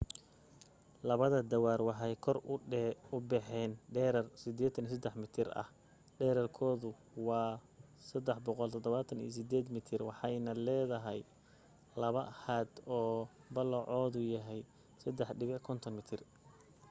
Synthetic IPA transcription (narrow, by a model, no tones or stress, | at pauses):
lɐβɐðɐd̪ɐwaːrwɑħɑjkʰɔr | ʊbɛħɛːnɖɛːɾɐrsɪd̪ɛːt̪ʰːɐnisɐd̪ɛħmɪt̪ʰɪrɐ̰h | ɖɛːɾɐrkʰɔːðʊ | wɑː | sɐd̪ɛħbɔqɔlt̪ʰɔd̪ɔβaːt̪ʰɐnḭːs̬ɪd̪ɛːd̪mɪt̪ʰɪrwɑħɑjnɐlɛːðɐɦɛj | lɐβɐhaːd̪ɔː | bɐlɔʕɔːðʊjɐɦɛj | sɐd̪ɛħɖɪβɪkʰɔnt̪ʰɔnmɪt̪ʰɪr